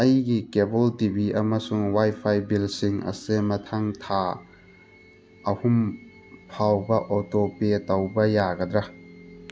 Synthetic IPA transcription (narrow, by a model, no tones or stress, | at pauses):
ɐjɡikebɔltibiɐmɐsuŋwajpʰajbilsiŋɐ̰semɐtʰaŋtʰa | ɐhum | pʰawbɐʔotopetɐwbɐjaɡɐd̪ɾɐ